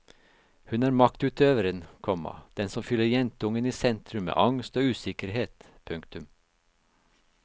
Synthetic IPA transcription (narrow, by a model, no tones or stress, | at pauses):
hʉnæːɾmɑkt̪ʉːt̪øːʋəɾənkʰɔmɑ̰d̪̥ɛnsɔmfʏlːəɾjɛnt̪əʊŋəniːsɛnt̪ʰɾʉmmḛːʔɑŋst̪oːʉːsɪkəɾheːt̪ | pʰʉŋkt̪ʉm